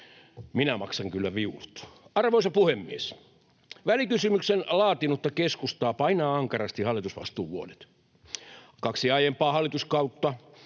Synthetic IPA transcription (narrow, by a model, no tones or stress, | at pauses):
minæmɑksɑŋkylːæʋiulut̪ɑrʋoisɑpuhemːies | ʋælikysymyksenlɑːt̪inut̪ːɑkeskust̪ɑːpɑinɑːɑŋkɑrɑst̪ihɑlːˑit̪usʋɑ̰st̪uːʋuodet̪ | kɑksiɑjempɑːhɑlːˑit̪uskɑut̪ːɑ